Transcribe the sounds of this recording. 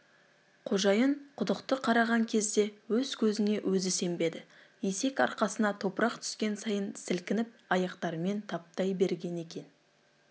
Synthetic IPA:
qʰo̞ʒɑjəɴqʰʊd̪əqt̪əqʰɑɾɑʁɑŋkʲʰe̞zd̪e̞wɵz̥kʲʰɵzɪne̞wʔɵzɪse̞mbe̞d̪ɪ | je̞se̞kɑ̰ɾqɑsənɑt̪ʰo̞pəɾɑq̚t̪ʰʏ̥skʲe̞nsɑjənsɪlkʲɪnɪp̚ɑjɑqt̪ɑɾme̞nt̪ʰɑp̚t̪ɑjbe̞ɾɡʲe̞ne̞kʲe̞n

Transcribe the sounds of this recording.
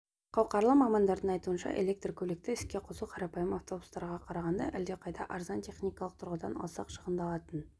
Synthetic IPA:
qʰɑwqɑɾlˠəqmɑmɑnd̪ɑɾd̪əɴɑjt̪uənʃɑ̰ʔe̞le̞k̚t̪rkʲʰɵle̞k̚t̪ɪɪskʲe̞qʰʊzuqʰɑɾɑpɑjəmɑft̪o̞bu̥st̪ɑɾʁɑqʰɑɾɑʁɑnd̪ɑ̰ʔæld̪e̞qʰɑjd̪ɑ̰ʔɑɾzɑnt̪ʰe̞χnʲijkɑlˠəq̚t̪ʰʊɾʁəd̪ɑnɑ̰lˠsɑqʃəʁənd̪ɑlˠɑt̪ən

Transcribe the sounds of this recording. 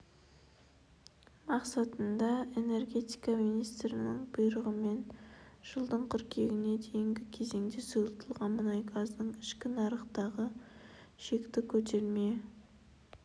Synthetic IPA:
mɑqsɑt̪ənd̪ɑe̞ne̞rɡʲe̞t̪i̥jkɑminijst̪ɾɪnɪɴbʊjɾəʁəme̞nʒ̥əlˠd̪əɴqʰʏɾkʲʰe̞ɡʲɪne̞d̪e̞jɪŋɡʲɪkʲʰe̞ze̞ŋd̪ɪsujlˠət̪ʰəlˠʁɑnmənɑjɡʰɑzd̪əɴɪʃkʲɪnɑɾəqt̪ɑʁə | ʃe̞kt̪ɪkʲʰɵt̪ʰe̞ɾme̞

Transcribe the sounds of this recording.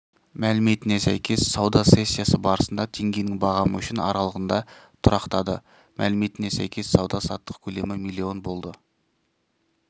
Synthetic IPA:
mælɪme̞t̪ɪne̞sæ̰jkʲʰe̞sːɑwd̪ɑse̞sʲːijasəbɑɾəsənd̪ɑt̪ʰe̞ŋɡʲe̞jnɪŋbɑʁɑməʏʃɪnɑ̰ɾɑlˠəʁənd̪ɑt̪ʰʊɾɑqt̪ɑd̪ə̰ | mʔæ̰lɪme̞t̪ɪne̞sæ̰jkʲʰe̞sːɑwd̪ɑsɑ̰t̪ːə̥qkʲʰɵle̞mɪmilʲːio̞nbo̞lˠd̪ə

